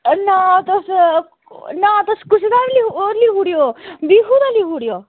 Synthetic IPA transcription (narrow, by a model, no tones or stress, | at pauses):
nat̪ɐs | nat̪ɐskut͡ʃʰid̪aɾlioɾliɦuɽjobiɦud̪ɐliɦuɽijo